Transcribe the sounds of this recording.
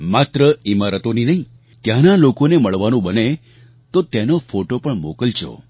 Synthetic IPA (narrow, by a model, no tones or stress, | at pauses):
mat̪ɾəimaɾət̪oninəɦĩ | t̪janalokoneməɭʋanũbəne | t̪ot̪enofoʈopəɳmokəlt͡ʃʰo̰